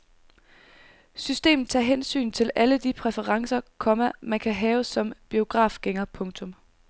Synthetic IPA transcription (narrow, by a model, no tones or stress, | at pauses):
sysd̥e̝̰ːmð̩ˠt͡sʰɑ̰̈ːɦensy̰ːnt͡sʰe̝lʔæləd̥ipʰʁɛfəʁɑ̈ŋsɐkʰɒ̽mæmænkʰæɦɛːʊsɒ̽mb̥io̝ɡ̥ʁɑ̰̈ːfɡ̥eŋɐpʰɔ̽ŋt͡sʰɔ̽m